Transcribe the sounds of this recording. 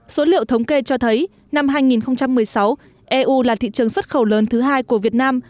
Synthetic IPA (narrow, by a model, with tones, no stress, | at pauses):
so˨˦lḭ˧˨əwt̪ʰə˨˦wŋ͡mke˧t͡ɕɔ˧t̪ʰə˨˦j | na˧mɦaː˧jŋi˨˩nxə˧wŋ͡mt͡ɕa˧mːɨ˨˩əjsa˨˦w | ʔɛ˧ʔu˧laː˨˩t̪ʰḭ˧˨t͡ɕɨ˨˩əŋswə˦˥t̚xə˧˩wləː˨˦nt̪ʰɨ˨˦ɦaː˧jku˧˩əvi˨˩ət̚naː˧m